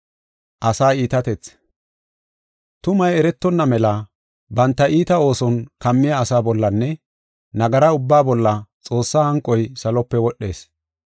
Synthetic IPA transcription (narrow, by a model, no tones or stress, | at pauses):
ʔɐsaːiːt̪ɐt̪ɛt͡s | t̪ʊmɐjɛɾɛt̪ːɔnːɐmɛlɐ | bɐnt̪ːɐʔiːt̪ɐo̞ːsɔnkɐmːɪjaːsaːbɔlːɐnːɛ | nɐɡɐɾɐʊbːaːbɔlːɐt͡sʼo̞ːsːaːhɐŋkʼːɔjsɐlɔpːɛwɔɗːe̞̰ːs